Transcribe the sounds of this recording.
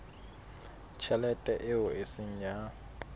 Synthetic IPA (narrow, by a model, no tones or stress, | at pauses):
t͡ʃʰɛlɛtʼɛʔɪʊesɪɲ̩d͡ʒa